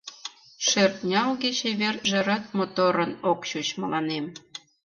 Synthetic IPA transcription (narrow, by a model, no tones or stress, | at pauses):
ʃert̪̚nʲɑlɣet͡ɕeβerʒĕɾɑt̪̚mot̪oɾənokɕut͡ɕməlɑnem